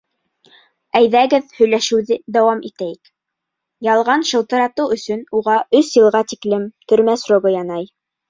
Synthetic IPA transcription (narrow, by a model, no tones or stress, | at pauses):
æjðæɡɘðhɵ̆jlæʃɘ̆wðɘd̪æwɑmit̪æjɘk | jɑlˠʁɑnʃɤ̆lˠt̪ɤ̆ɾɑt̪ɤwɵ̆sɵnuʁɑʔɵsjɤ̆lˠʁɑt̪iklɘmt̪ɵ̆ɾmæsroɡɤjɑnɑj